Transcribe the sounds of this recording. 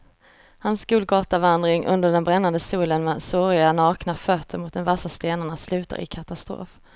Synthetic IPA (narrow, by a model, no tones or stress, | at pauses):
hansɡuːlɡɑːt̪avand̪ɾɪŋʔɵ̰nd̪əɖɛnbɾɛnːand̪əsuːlənmɛd̪sɔɾɪanɑːknafœt̪ʰːəɾmʊt̪̚d̪ɛnvasast̪eːnaɳaslʉ̟ːt̪a̰ɾʔɪ̰kʰat̪ast̪ɾo̰ːf